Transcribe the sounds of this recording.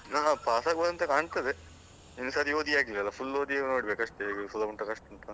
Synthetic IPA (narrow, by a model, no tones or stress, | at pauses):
naːpaːsaːɡbɐːd̪ɐnt̪ɐkaːɳst̪ɐd̪e | inːusaːɾioːd̪ʱijaːɡilʋɛlːɐpʰulːoːd̪ijaɡnoːɽibeːkɐʂt̪esulɐɐɳʈːɐkɐʂt̪ɐnt̪ɐ